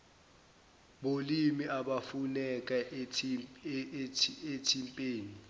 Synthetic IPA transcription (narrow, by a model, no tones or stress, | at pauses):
ɓolimiʔaɓafunɛk̬ʼa | etʰimpʼeːni